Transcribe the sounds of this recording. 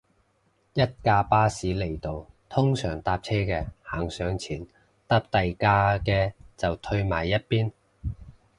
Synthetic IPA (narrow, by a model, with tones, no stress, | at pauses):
jɐ˥t̚kaː˧paː˥siː˨˥le˨˩jt̪o˨wt̪ʰʊ˥ŋsœ̰ː˨˩ŋt̪aː˧p̚t͡sʰɛː˥kɛː˧haː˨˩ŋsœː˨˥ŋt͡sʰiː˨˩n | t̪a˥p̚t̪ɐ˨jkaː˧kɛː˧t͡sɐ˨wt̪ʰɵ˧ɥma̰ː˨˩jːɐ˥t̚piː˥n